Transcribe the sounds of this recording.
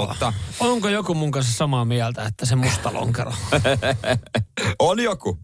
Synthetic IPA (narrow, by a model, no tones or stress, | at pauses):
ɑ̰t̪ɑoŋkojokumuŋkɑnsɑsɑmɑmiælt̪æet̪ːæsemust̪ɑlo̰ŋkḛrɑ | oljoku